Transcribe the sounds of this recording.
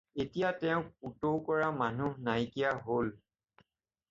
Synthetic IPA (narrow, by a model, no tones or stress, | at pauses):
etijatɛʊ̃utowkɔɹamanunajkijaɦol